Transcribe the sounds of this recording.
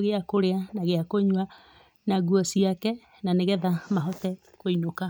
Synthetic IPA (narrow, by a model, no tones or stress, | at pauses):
ɣeakoɾeanaɣeakoɲwa | naɣuɔsiakɛ | naneɣɛðamaɦɔtɛ | koinoka